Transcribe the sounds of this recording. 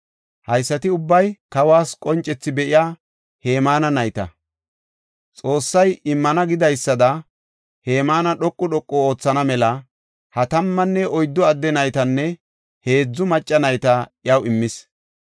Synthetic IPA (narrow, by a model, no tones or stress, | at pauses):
hɐjsːɐt̪ɪʊbːɐjkɐwaːskʼɔnt͡ʃʼːɛt͡sːɪbɛʔɪjaː | he̞ːmaːnɐnɐjt̪ɐ̰ | t͡sʼo̞ːsːɐjɪmːɐnɐɡɪd̪ɐjsːɐd̪ɐ | he̞ːmaːnɐɗɔkʼːʊɗɔkʼːɔoːt͡sːɐnɐmɛlɐ | hɐt̪ɐmːɐnːɛɔjd̪ːɔɐd̪ːɛnɐjt̪ɐnːɛ | he̞ːd͡zːʊmɐt͡ʃʼːɐnɐjt̪ɐjɐwɪmːɪs